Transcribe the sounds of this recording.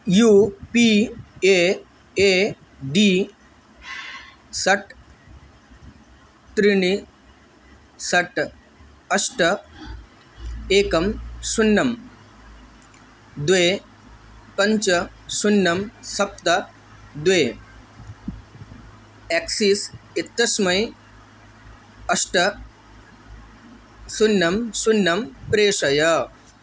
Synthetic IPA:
juːpie | e | ɖiː | sɐʈ | t̪ɾiɳi | sɐʈ | əsʈ | eːkɐmsunːɐm | d̪weː | kɐɲt͡ʃɐ | sunːɐmsɐp̚t̪ɐ | d̪ʋeː | eksiːsit̪ːɐsmɐj | ɐʂʈɐ | sunːɐmsunːɐmpɾeːʂɐjɐ

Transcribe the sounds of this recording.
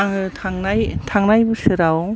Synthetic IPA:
aŋɯtʰaŋnajtʰaŋnajbɯsɯɾaw

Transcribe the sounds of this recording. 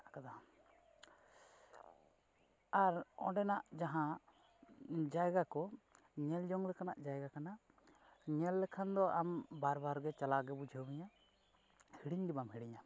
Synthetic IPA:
akad̪aa | aɾɔ̰̃ɖɛnaʔd͡ʒaɦã | d͡ʒajɡakɔ | ɲɛld͡ʒɔŋlɛkanaʔd͡ʒajɡakana | ɲɛlːɛkʰand̪ɔʔambaɾbaɾɡɛt͡ʃalaɡɛbud͡ʒʱəmiɲa | hiɽiɲɖibamɦiɽiɲa

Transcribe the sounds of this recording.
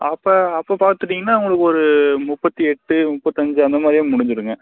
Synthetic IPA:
ɐpːɐːɐpːopaːɾt̪ɯʈːiːŋɡɐnːaːʊŋɡɐɭɯkːɯɔɾɯmʊpːɐt̪ːiɛʈːɯmʊpːɐt̪ːɪɐɲd͡ʒɯɐnd̪ɐmaːd̪ɾɪjʊ̃mʊɽɪɲd͡ʒɯɾɯŋɡɐ

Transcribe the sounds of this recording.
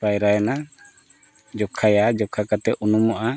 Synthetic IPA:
pajɾaɛna | d͡ʒɔkʰajad͡ʒɔkʰakat̪ɛʔunumɔʔa

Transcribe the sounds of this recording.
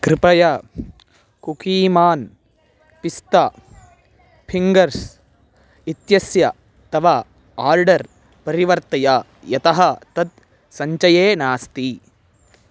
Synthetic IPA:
kɾɪpɐjɐ | kukiːmaːn | pist̪ɐ | pʰiŋɡɐɾs | it̪jɐsjɐ | t̪ɐʋɐ | aːɾɖɐɾ | pɐɾiʋɐɾt̪ɐja | jɐt̪ɐɦɐt̪ɐt̪ | sɐɲt͡ʃɐjeːnaːst̪i

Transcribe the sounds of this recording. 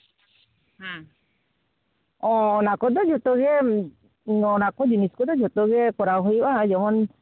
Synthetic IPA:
ha | ɔ̃nakɔd̪ɔd͡ʒɔt̪ɔɡɛ | ɔnakɔd͡ʒiniskɔd̪ɔd͡ʒɔt̪ɔɡɛkɔɾawɦɔjbad͡ʒɔmɔn

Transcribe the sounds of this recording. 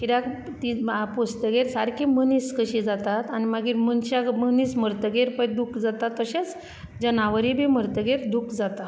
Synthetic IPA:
kiɾak | t̪iapost̪əɡeɾsaɾkʰiməniskəɕid͡zat̪at̪animaɡiːɾmənɕaɡməniːsməɾt̪əɡeɾpəjd̪ukd͡zat̪at̪ːəɕet͡s | d͡ʑənaʋəɾibʱiməɾt̪əɡeɾd̪ukʰd͡zat̪a

